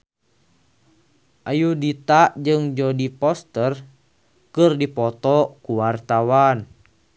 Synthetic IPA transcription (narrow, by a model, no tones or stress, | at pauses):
ʔajudit̪aʔd͡ʒɨŋd͡ʒɔdipɔst̪ər | kɨrdipɔt̪ɔkuwart̪awan